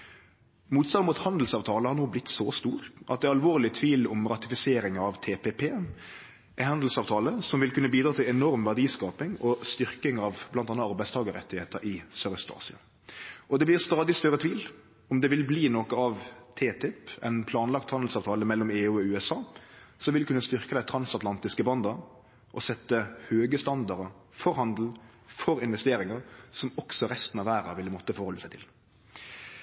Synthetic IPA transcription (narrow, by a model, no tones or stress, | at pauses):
muːt̪sɑnmʊt̪hɑnd̪l̩sɑːʋt̪ʰɑːləhɑʁnoːblɪt̪sɔst̪uːɾʔɑ̰t̪̚d̪ɛɑlʋoːʁlɪt̪ʰʋiːlɔmɾɑt̪ɪfɪseːɾɪŋɑʋt̪ʰeːpʰepʰeː | ɛhɑnd̪l̩sɑːʋt̪ʰɑːləsɔmʋɪlkʉnːəbiːd̪ɾɑːt̪ʰɪlɛnɔɾmʋæʁdiːskɑːpɪŋɔst̪ʏɾkɪŋɑʋblɑnt̪ɑnːəɑɾbæɪst̪ʰɑːɡəɾɛ̰t̪ːɪheːt̪əɾʔɪsœɾəst̪ɑ̰ːsɪɑ | ʔɔd̪ɛblɪʁst̪ɑːd̪ɪst̪œɾːət̪ʰʋiːl | ɔmd̪ɛʋɪlbliːnɔkəɑʋt̪ʰeːt̪ʰɪpɛ̰ɪnpʰlɑːnlɑkt̪hɑnd̪l̩sɑːʋt̪ʰɑːləmɛlːɔmeːʉːɔʉːɛsɑːsɔʋɪlkʉnːəst̪ʏʁkəd̪æɪt̪ʰɾɑnsɑt̪lɑnt̪ɪskəbɑnd̪ə | ʔɔsɛt̪ːəhøːɡəst̪ɑnd̪ɑɾəfɔɾhɑnd̪l̩ | fɔɾɪnʋɛst̪eːɾɪŋəɾsɔmɔksɔɾɛst̪n̩ɑʋæːɾɑ̰ʋɪlːəmɔt̪ːəfɔɾhɔləsæɪt̪ʰɪ̰l